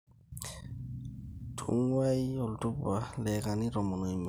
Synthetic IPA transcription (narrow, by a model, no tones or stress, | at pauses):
tʰṵŋwajɔltubalɛkaniɾɔmɔnojm